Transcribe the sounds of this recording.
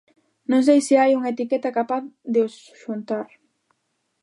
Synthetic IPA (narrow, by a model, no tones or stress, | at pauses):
nõŋsejseajuŋet̪ikɛt̪akapaθðeos | ʃunt̪aɾ